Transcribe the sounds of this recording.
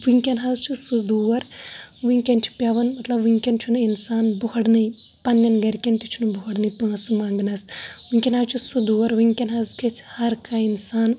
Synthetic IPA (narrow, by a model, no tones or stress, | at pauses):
ʋiŋkʲɐnɦɐzt͡ʃʰusud̪uʋɐɾʋiŋkʲɐnt͡ʃʰi̥pʲɐʋɐnmɐt̪lɐbʋiŋkʲɐnt͡ʃʰunuinsaːnbuɦɐɽnɨj | pɐnːjɐnɡɐɾkʲɐnt̪it͡ʃʰunubuɦɐɽnɨjpɐːsɨmaːŋɡnɐsʋiŋʲkʲɐnɦaːzt͡ʃʰusud̪uʋɐɾʋiŋkʲɐnɦɐzkʰet͡ʃʰhɐɾkʰainsaːn